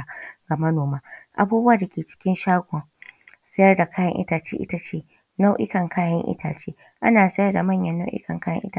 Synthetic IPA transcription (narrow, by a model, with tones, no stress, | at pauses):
ɡ̥a˨mɐ˦noː˨maː˦ʔa̰˦buː˦bʊ˦waː˨da˨kʲeː˨t͡ʃɪ̥˦kʲɪ˦nʃaː˦ɡʷɔ˨ŋsɐ˦jɐ˦rda˨kaː˦jɐ̰˦ŋʔɪ̰˦taː˨t͡ʃḛː˦ʔɪ̰˦ta˦t͡ʃeː˦˨ | na˦wʔɪ˦kɐ˨ŋkʰaː˦jɐ˦ŋʔɪ̰˦tʰaː˨t͡ʃeː˦ | ʔa̰˦naː˨sɐ˦jɐ˦rda˨mɐ˦˨ɲjɐ˦nːa˦wʔɪ̰˦kɐ˨ŋkaː˦jɐ̰˦ʔɪ̰˦ta˨